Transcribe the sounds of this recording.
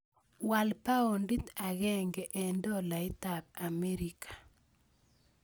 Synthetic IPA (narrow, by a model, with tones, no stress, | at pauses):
wa˨lpa˦o˨ndi˦t̪a˨ɣɛ˦ŋɡɛ˨ʔɛ˨ndɔ˦la˨i˦t̪ab̚ame˦ɾikʰḁ˨